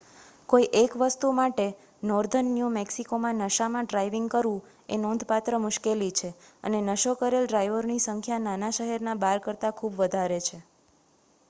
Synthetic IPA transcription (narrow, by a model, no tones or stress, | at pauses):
koiʔekʋəst̪umaʈe | nɔɾd̪ʱənːjumeksikomãnəʃamãɖɾaiʋiŋɡkəɾʋũ | ḛnɔnd̪ʱpat̪ɾəmʊʃkelit͡ʃʰeə̰nenəʃokəɾelɖɾajʋəɾnisəŋkʰjananaʃəɦɛɾnabaɾkəɾt̪akʰubʋəd̪ʱaɾet͡ʃʰe